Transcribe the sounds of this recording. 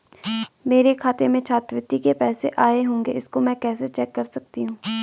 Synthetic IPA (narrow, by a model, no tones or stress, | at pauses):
meːɾekʰaːt̪emẽt͡ʃʰaːt̪ʋɪt̪ːikepɛːseʔaːeɦõːŋɡeɪskomɛ̃ːkɛːset͡ʃɛːkːɐɾsɐk̚t̪iɦũː